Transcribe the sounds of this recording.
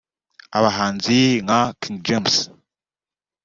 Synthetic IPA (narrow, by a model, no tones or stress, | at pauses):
aβaɦaːnziŋakĩŋɡ̚d͡ʒems